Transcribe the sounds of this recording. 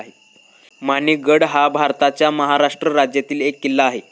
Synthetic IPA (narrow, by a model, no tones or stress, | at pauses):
ɦe | maniɡəɽɦabʱaɾt̪at͡ɕjaməɦaɾaʂʈɾəɾad͡ʑjat̪iːlekːilːaːɦe